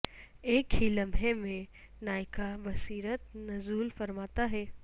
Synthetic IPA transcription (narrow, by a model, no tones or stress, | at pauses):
eːkɦilɐmɦemẽ | naːɪkabɐsiːɾət̪nɐzuːlfɐɾmaːt̪aɦɛː